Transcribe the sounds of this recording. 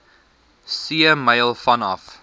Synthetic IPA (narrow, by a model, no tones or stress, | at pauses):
siəmɐjlˠfɐnɐ̰f